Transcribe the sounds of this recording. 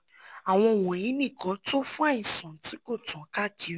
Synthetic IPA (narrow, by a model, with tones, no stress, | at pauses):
a˨w̃ɔ̃˧˨wɔ̃˨ĩ˨˦nĩ˦˨kã˨˦to˦fũ˦a˦˨ĩ˨sɔ̃˨˦ti˨˦ko˦˨tɔ̃˨˦ka˦˨d͡ʒi˨˦